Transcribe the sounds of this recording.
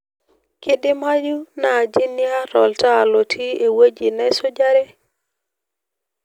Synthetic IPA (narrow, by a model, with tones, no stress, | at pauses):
kɪ˦dɪ˦ma˦ju˦na˨d͡ʒi˦nja˦ɾɔ˨lta˦˨lo˨tʰi˦e˨we˦d͡ʒi˨nɛ˦so˦d͡ʒa˦ɾe˦